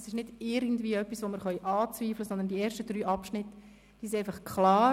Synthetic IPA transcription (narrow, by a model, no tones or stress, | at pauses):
sɪʃnɪd̥ɪɾɡən̩dviːœpːisʋomɪɾχœʏʔɑːt͡sviːfləsɔnd̪ənd̥ieːɾʃtəd̥ɾyːʔɑpʃnɪt | d̥iʃɛɪfɑχkʰχlɑː